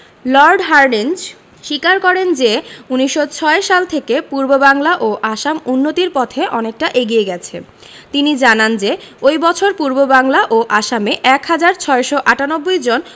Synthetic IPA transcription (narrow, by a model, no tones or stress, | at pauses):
lɔɾɖɦaɾɖind͡ʑ | ʃikaɾkɔɾend͡ʑeuniʃːot͡ɕʰɔeʃalt̪ʰekepuɾbobaŋlaʔoʔaʃamunːot̪iɾpɔt̪ʰeʔɔnek̚ʈaʔeɡieɡɛt͡ɕʰḛ | t̪inid͡ʑanand͡ʑe | ojbɔt͡ɕʰoɾpuɾbobaŋlaʔoʔaʃameʔɛkɦad͡ʑaɾt͡ɕʰɔeʃoʔaʈanobːojd͡ʑon